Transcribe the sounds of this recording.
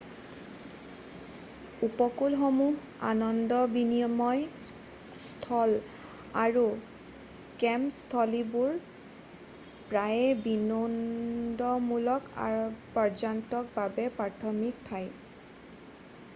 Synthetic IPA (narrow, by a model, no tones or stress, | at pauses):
upɔkulxɔmuh | a̰nɔndɔbiniɔmɔj | stʰɔl | aɹu | kɛmstʰɔlibuɹ | pɹajɛbinɔndɔmulɔka̰ɹpɔd͡ʒantɔk̚babɛpɹaɹtʰɔmiktʰaj